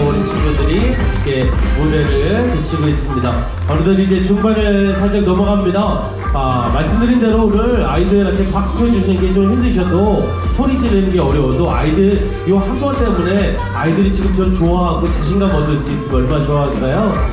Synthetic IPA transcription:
onɯnt͡ɕʰiŋbɯndɯɾiikʰe̞modeɾɯɭkut͡ɕʰiɡɯɦes͈ɯmɲida | ʌɾɯdʌɾid͡ʑe̞t͡ɕuŋbaɾɯɭsʰʌɭt͡ɕ͈ʌɡ̚nʌmʌɡamɲida | amaɭs͈ɯmdɯɾinde̞ɾouɾɯɭa̰idɯɾakʰe̞kak̚s͈sʰoed͡ʑunenɡet͡ɕomɸimdɯɕ̬ʰʌdo | sʰoɾid͡ʑinenɯnɡe̞ʌɾjʌodoa̰idɯɾ | iohanɡʌnt͈e̞mune̞ | aidɯɾit͡ɕiɡɯmt͡ɕʌɾt͡ɕoaɦaɡot͡ɕaɕ̬ʰinɡamʌdɯɭs͈uis͈ɯmʌɭmanat͡ɕoaɦad͡ʑinajo

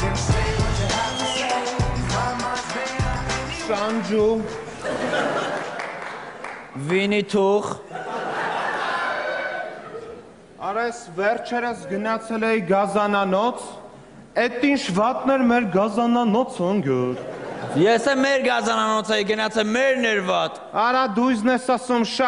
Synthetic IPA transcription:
ʃɑnd͡ʒu | vinit̪ʰuʁ | ɑɾɛsvɛrt͡ʃʰɛɾəsɡənɑt͡sʰɛlɛjiɡɑzɑnɑnɔt͡sʰ | ɛt̪int͡ʃʰvɑt̪nɛɾmɛɾɡɑzɑnɑnɔt͡sʰɔŋɡəɾjɛsɛmɛɾɡɑzɑnɑnɔt͡sʰɛjiɡənɑt͡sʰɛmɛɾnɛɾvɑt̪ | ɑɾɑd̪ujznɛsɑsumʃ

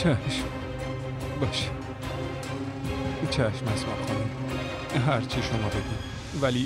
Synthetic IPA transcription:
t͡ʃʰæʃm | bɒʃi̥ | t͡ʃʰæʃmæsmæ̰xɑni | ɦæɾt͡ʃʰiʃomɒːbed̪in | væli

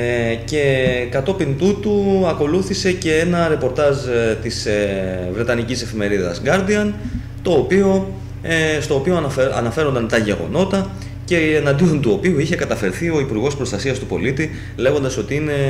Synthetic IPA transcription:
ce̞kɐt̪o̞pint̪ut̪uɐko̞luθise̞ce̞enɐɾe̞po̞ɾt̪ɐʒt̪isvɾe̞t̪ɐnicise̞fime̞ɾiðɐ̰zɡɐɾd̪iɐn | t̪o̞ːpio̞ | est̪o̞ːpioɐ̰nɐfe̞ɾo̞nd̪ɐnt̪ɐʝe̞ɣo̞̰no̞t̪ɐ | ce̞ːnɐnd̪io̞nt̪uo̞piuiçe̞kɐt̪ɐfe̞ɾθio̞ipuɾɣo̞spɾo̞st̪ɐsiɐst̪upo̞̰lit̪i | le̞ɣo̞nd̪ɐso̞t̪iine̞

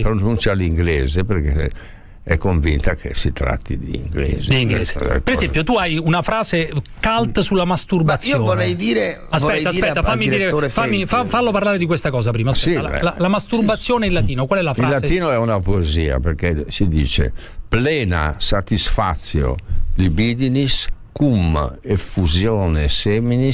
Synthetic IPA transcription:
pɾonunt͡ʃjaliŋɡlɛːzepeɾke | ɛkːoɱvint̪akʰesit̪ɾa̰t̪ːḭd̪ḭːŋɡlɛ̰ːzed̪iiŋɡlɛ̰ːsz̰peɾeɛmpjot̪uajunafɾaːzekalt̪sulːamast̪urbat̪sːjoolɛjd̪iːɾe | aspɛt̪ːasspɛtːafamːid̪iːɾeofamːifafaloparlaːɾed̪ikwest̪akɔːzapɾiːmaːspsɛiala̰lalamast̪urbat̪sːjɔːneilːat̪iːnokwalɛlafɾalːat̪iːnoɛunapoeziːa̰peɾkɛsid̪ḭːt͡ʃḛ | plɛːna̰sat̪isfa̰t̪sːjo̰d̪ibid̪iniskumefuzjɔːnɛsɛminis

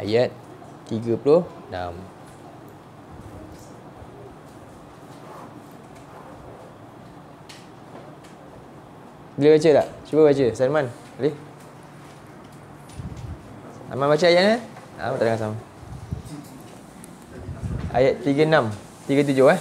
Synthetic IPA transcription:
a̰jat̪̚ː | iɡəpuloh | na̰m | biləbat͡ʃəla̰ʔt͡ʃubəbat͡ʃəsanman | le | sa̰manbat͡ʃəajaʔ̚na | a̰mat̪adaŋãnsama | ʔa̰jat̪ːiɡənam | t̪iɡət̪̬ud͡ʒʊha

